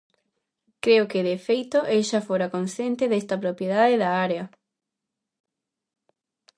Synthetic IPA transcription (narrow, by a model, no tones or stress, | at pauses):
kɾeokeðefejt̪oʔeʃafoɾakõnsθjent̪eðest̪ɐpɾopjeðaðeðɐaɾeɐ